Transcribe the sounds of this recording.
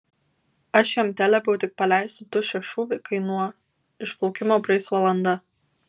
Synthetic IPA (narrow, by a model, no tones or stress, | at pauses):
ɐʃjɛmʲt̪ʲælʲɛpɛʊt̪ʲɪk̚pɐlʲæɪsʊt̪ʊʃʲɛʃuːʋʲɪkɐɪnuɔ | ɪʃplˠɔʊkʲɪmoːpʲɾʲɛɪsʋɐlˠɐnd̪ɐ